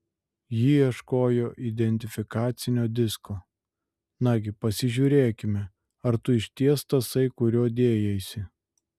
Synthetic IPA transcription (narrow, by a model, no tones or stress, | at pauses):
jiːiɛʃkoːjoːʔid̪ʲɛnʲt̪ʲɪfʲɪkɑːt̪sʲɪnʲoːd̪ʲɪskoː | nɑɡʲɪpɐsʲɪʒʲuːɾʲeːkʲɪmʲɛ | ɐɾt̪ʊɪʃʲt̪ʲiɛst̪ɐsɐɪkʊɾʲoːd̪ʲeːjɛɪsʲɪ